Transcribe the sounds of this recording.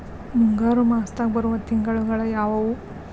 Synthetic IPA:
muŋɡaːɾumaːst̪aːɡbɐɾuʋɐt̪iŋɡɐɭuɡɐɭɐjaːʋɐʋu

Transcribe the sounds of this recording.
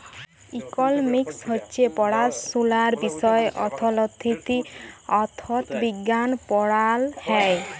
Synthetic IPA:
ikɔlmiksɦɔːt͡ʃʰepɔɽasulaɾbisɔeʔɔ̰t̪ʰɔlɔt̪ʰːit̪iɔt̪ʰɔt̪biɡanpɔɽalhɛj

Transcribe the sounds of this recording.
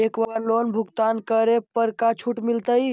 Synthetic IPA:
ekʋəənlonbʱuɡt̪ankəɾepəɾkat͡ʃʰuʈmilt̪əj

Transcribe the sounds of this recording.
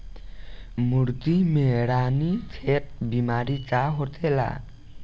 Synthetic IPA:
muɾt̪imeɽanit͡sʰet̚bimaɾit͡saɦot̪ʰela̰

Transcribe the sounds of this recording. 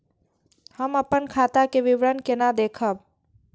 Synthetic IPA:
həməpənkʰaːt̪akeʋɪʋɾənkenad̪eːkʰəb

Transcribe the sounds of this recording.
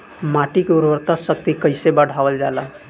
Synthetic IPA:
maʈikeuɾbəɾt̪asək̚t̪ikəɪsebəɽʱabəld͡ʒala

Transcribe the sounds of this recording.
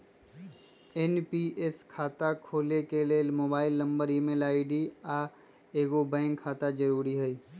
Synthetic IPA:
enpieskʰaːt̪akʰoːlekelemoːbaːɪlːə̃mbəɾimelaːɪɖia | eːɡobɛ̃ːŋkʰːaːt̪ad͡ʒəɾuːɾiɦɛiː

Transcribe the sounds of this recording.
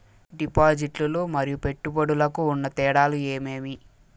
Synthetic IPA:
ɖipaːd͡ʒiʈluloːmɐɾijupe̞ʈːubɐɽulɐkuːnːɐt̪ɛːɽaːlue̞ːme̞ːmi

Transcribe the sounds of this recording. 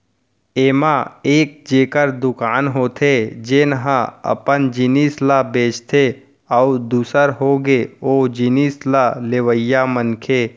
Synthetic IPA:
eːmaeːk̚d͡ʒeːkəɾd̪ʊkaːnɦoːt̪ʰed͡ʒɪnɦãə̰pənd͡ʒiniːslabeːt͡ʃt̪ʰe | ɔːʊd̪uːsəɾɦoːɡeoːd͡ʒiniːslaleʋəjamənkʰeː

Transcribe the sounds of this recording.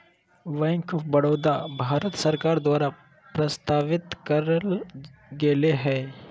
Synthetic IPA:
ʋɛ̃ːŋkɔːfbɐɽoːd̪abʱaːɾət̪səɾkaːɾd̪waːɾa | pɾəst̪aːʋɪt̪kəɾəlɡeːleɦɛː

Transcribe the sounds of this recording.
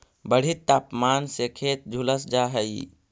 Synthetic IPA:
bəɽ̤it̪ːapmansekʰet̪̚d͡ʒʱuləsd͡ʒaɦəi

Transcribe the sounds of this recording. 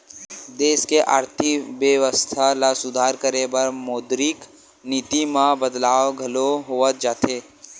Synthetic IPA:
d̪eːskeʔa̰ːɾt̪ʰɪkʋjəʋəst̪ʰalasʊd̪ʱaːɾkəɾebəɾmoːd̪ɾɪk | nit̪imãbəd̪laːoɡʱɐloɦoət̪̚d͡ʒaːt̪eː

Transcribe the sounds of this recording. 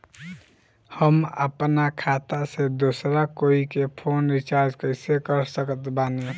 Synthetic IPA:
həmə̰pnakʰat̪ased̪osɾakoikepʰonɾit͡ʃaɾd͡ʒkəsekəɾsəkət̪bane

